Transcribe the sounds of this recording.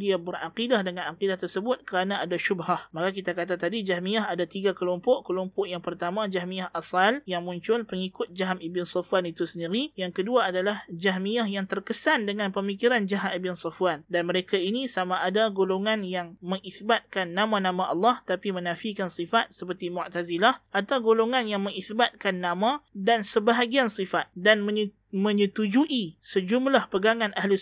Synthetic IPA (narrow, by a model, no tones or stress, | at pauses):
diabəraqidahdəŋãnaqidaht̪ərsəbʊt̪̚kəɾanãadaʃubɦahmakakit̪akat̪at̪adid͡ʒaɦmiaɦadat̪iɡakəlɔmpɔʔkəlɔmpɔʔjaŋpərt̪amãd͡ʒahmiahʔasaljaŋmũɲt͡ʃʊlpəŋikʊt̪̚d͡ʒaɦamibɪnsɔfuanit̪usəndiɾijaŋkəduaadalahd͡ʒaɦmiahjaŋt̪ərkəsandəŋãnpəmikiɾand͡ʒaɦamibɪnsɔfwandanməɾekainisamaʔːdaɡoloŋanjaŋməŋiθbat̪̚kanːamãnãmãʔɑlːɑht̪apimənãfikansifat̪̚səpərt̪imuʔt̪azilaʔat̪awɡoloŋanjaŋməŋiθbat̪̚kanːãmãdansəbaɦaɡiansifat̪̚danmə | mə̃ɲət̪ud͡ʒuʔisəd͡ʒumlahpəɡaŋãnʔaɦlʊ